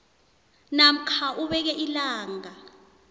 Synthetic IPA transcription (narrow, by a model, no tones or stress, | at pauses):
nam̩kʰaʔuɓɛk̬ɛʔilaːŋa